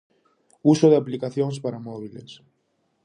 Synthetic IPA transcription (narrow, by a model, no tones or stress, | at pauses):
usoðeaplikaθjons̬paɾamoβ̞ilḛs